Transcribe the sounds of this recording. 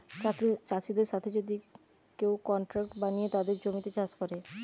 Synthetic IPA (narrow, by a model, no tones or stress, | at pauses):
t͡ɕaʃid̪eɾʃat̪ʰed͡ʑod̪ikewkɔɳʈɾak̚ʈbanijet̪ad̪eɾd͡ʑomit̪et͡ɕaʃkɔɾe